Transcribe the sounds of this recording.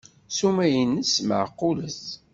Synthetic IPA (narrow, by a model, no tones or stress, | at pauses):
sumæjənːəsmə̰ʕəqːʊləs